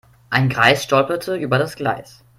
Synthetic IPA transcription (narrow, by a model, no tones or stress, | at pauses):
ʔaɪnɡʁaɪsʃtɔlpɐtʰəʔyːbɐɾasɡ̥la̰ɪs